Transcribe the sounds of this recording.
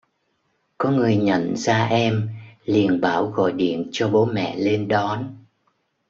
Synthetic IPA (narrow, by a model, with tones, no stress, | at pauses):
kɔ˨˦ŋɨ˨˩əjɲə̰˧˨nzaː˧ʔɛ˧mlḭ˨˩ənɓaː˧˩wɣɔ̰˧˨jɗḭ˧˨ənt͡ɕɔ˧ɓo˨˦mɛ̰˧˨le˧nɗɔ˨˦n